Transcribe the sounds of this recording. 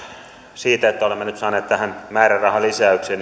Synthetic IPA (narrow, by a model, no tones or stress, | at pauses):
siːt̪æet̪ːæolemːenyt̪sɑːneːt̪t̪æhænmæːrærrɑhɑlisæykseːn